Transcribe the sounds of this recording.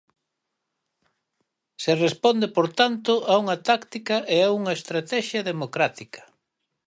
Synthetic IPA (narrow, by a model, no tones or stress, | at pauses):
serespond̪epoɾt̪ant̪ʊʔauŋɐt̪akt̪ikɐʔeauŋɐest̪ɾat̪ɛʃjɐðemokɾat̪ikɐ̥